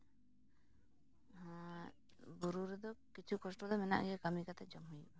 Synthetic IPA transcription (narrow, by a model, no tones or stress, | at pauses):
buɾuɾɛd̪ɔkit͡ʃʰukɔsʈɔd̪ɔmɛna̰ʔɡɛkamikat̪ɛd͡ʒɔmɦujiʔ